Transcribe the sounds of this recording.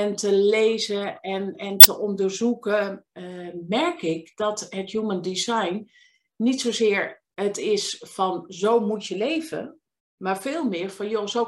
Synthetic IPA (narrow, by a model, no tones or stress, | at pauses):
ɛntəlejzəɛnɛntəʔɔndəɹzukə | mɛɹkɪk̚d̥ɔtɦətjuməndizajnː | itsozɪːɹ | ətɪsfɔnzowmutjəlejvə̰ | maːɹfɪːlˠmɪːɹfɔnjozo